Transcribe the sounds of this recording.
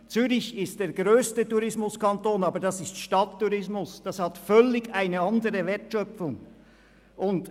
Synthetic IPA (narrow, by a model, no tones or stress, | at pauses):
t͡syʁɪçɪst̚d̥eːɾɡʁøːstətuʁɪsmʊskɑntoːnɑːbədɑsɪstʃtɑtʰːuʁɪsmʊsd̥ɑshɑtfœlɪɡaɪnəɑndəʁəvɛtʃœpfʊŋ | ʔʊnt